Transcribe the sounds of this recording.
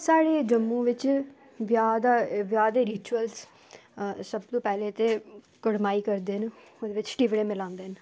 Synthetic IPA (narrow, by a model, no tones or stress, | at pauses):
saːɽeːd͡ʒəmːũːʋɪt͡ʃ | ʋjaːd̪aʋjaːd̪eːɾiːt͡ʃuəls | səbt̪õːpɛːleːt̪eː | kəɽmaːiːkəɾd̪eːɦən | d̪eːʋɪt͡ʃʈiːʋɽeːmɪlãːnd̪eːɦn